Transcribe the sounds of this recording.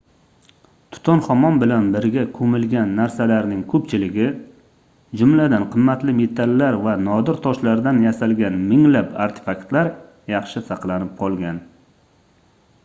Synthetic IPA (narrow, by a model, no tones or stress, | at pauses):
t̪ʰʊ̥t̪ʰɒnχɒmɒnbɪlanbɪɾɡʲakʰɵmɪlɡʲanːaɾsalaɾnɪŋkʰɵpt͡ʃʰɪlɪɡʲɪ | d͡ʒʊmlad̪anqʰɨmːat̪lɪme̞t̪ʰalːaɾvanɒd̪ɪɾt̪ʰɒʃlaɾd̪anjasalɡʲanmɪŋlapʰaɾt̪ʰɪ̥fakt̪laɾ | jɑχʃɪsɑqlˠanɪp̚qʰɒlˠɡʲan